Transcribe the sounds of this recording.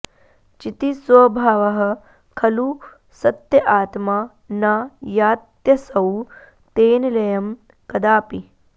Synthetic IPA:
t͡ʃit̪isʋɐbʱaːʋɐɦɐ̆ | kʰɐlu | sɐt̪jɐʔaːt̪ma | najaːt̪jɐsɐw | t̪eːnɐlɐjɐm | kɐd̪aːpi

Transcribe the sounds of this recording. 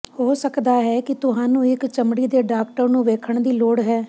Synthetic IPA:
hoːsəkd̪aːɦɛːkɪt̪ʊɦãːnũːɪkt͡ʃəmɽiːd̪eːɖaːkʈəɾnũːʋeːkʰəɳd̪iːloːɽɦɛː

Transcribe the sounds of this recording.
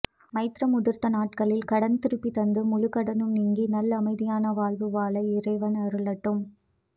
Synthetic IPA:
mɐɪt̪ɾɐmʊðɪɾt̪ɐnaːʈkɐɭɪlkɐɽɐnt̪ɪɾɯpːit̪ɐnd̪ɯmʊɻʊkɐɽɐnɯmniːŋɡinɐlːɐmɐɪðɪjaːnɐʋaːɭʋɯʋaːlɐɪɪrɐɪʋɐnɐɾɯɭɐʈːɯm

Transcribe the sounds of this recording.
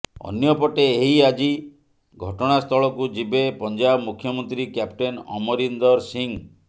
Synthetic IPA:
ɔ̰njɔpɔʈeːɦiad͡ʒi | ɡʱɔʈɔɽ̃ast̪ʰɔɭɔkud͡ʒibepɔnd͡ʒabmukʰjɔmɔnt̪ɾikjap̚ʈenɔ̰mɔɾind̪ɔɾsiŋ

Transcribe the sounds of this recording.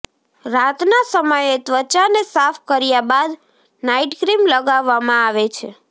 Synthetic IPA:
ɾat̪nasəməjet̪ʋət͡ʃanesafʰkəɾjabad̪ | naiʈɡɾimləɡaʋːamãaʋet͡ʃʰe

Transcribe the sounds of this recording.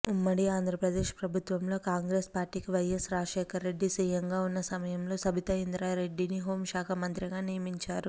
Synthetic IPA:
umːɐɽiaːnd̪ɾɐpɾɐd̪eːʂpɾɐbʱut̪ʋɐmlo̞ːkaːŋɡɾe̞ːspaːɾʈiːkiʋɐjesɾaːʂeːkʰɐɾːe̞ɖːisiːjɐŋɡaːunːɐsɐmɐjɐmloːsɐbʱit̪ɐind̪ɾaːɾe̞ɖːiniɦo̞ːmʃaːkʰɐmɐnt̪ɾiɡaːnijɐmiɲt͡ʃaːɾu

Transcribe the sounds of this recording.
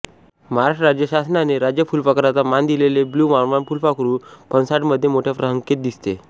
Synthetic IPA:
məɦaɾaʂʈɾad͡ʑjəɕasnaneɾad͡ʑjəfulpəkɾat͡samand̪ileleblumaɾmanpulpakɾuːpənsaʈməd̪ʱːjemoʈʰjapɾəɦəŋket̪̚d̪ist̪e

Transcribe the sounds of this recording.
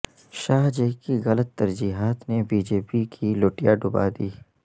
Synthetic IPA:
ʃaːɦd͡ʒekiɣɐlət̪ːɐɾd͡ʒiːɦaːt̪nebiːd͡ʒeːpikʰiloːʈijaɖʊba̰d̪iː

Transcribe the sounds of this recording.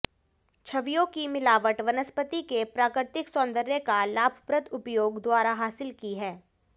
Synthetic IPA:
t͡ʃʰɐʋijõkimɪlaːʋəʈʋɐnəspət̪ikepɾaːkɾɪɾɪt̪ɪksɔ̃ːnd̪əɾjəkalaːbʱpɾət̪ʊpjoːɡd̪waːɾaɦaːsɪlkiɦɛː

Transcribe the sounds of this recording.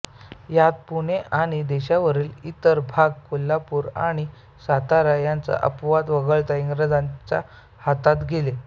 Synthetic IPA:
jat̪̚puɽ̃eʔaɽ̃id̪eɕaʋəɾiːlit̪əɾbʱaɡ̚kolːapuːɾa̰ɽ̃i | sat̪aɾajant͡sə̰ʔəpʋat̪ʋəɡəɭt̪aiŋɡɾəd͡zãnt͡ɕa̰ | hat̪at̪ɡʱele

